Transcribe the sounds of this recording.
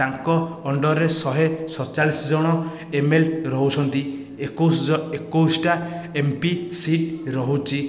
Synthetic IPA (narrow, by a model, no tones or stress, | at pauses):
aŋkɔːɳɖɔɾesɔɦesɔt͡ʃalisɔd͡ʒɔɽ̃ɔ | emelɾɔɦut͡ʃʰɔnt̪i | ekosekosʈaempisiʈɾɔɦut͡ʃʰi